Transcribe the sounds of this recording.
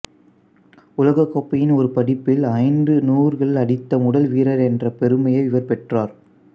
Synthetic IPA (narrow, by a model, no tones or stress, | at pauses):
ʊlɐɣɐkːoːpːɐjɪnɔɾɯpɐɽɪpːɪlɐɪnɖɯnuːɾɣɐɭɐɽɪt̪ːɐmʊɽɐlʋiːɾɐɾɛndrɐpɛɾɯmɐjɐɪʋɪʋɐɾpɛʈraːɾ